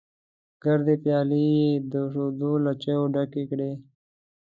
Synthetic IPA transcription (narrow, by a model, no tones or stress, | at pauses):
ɡ̥əɾd̪epjɑːlied̪əʂod̪ulat͡ʃeoɖakikɽe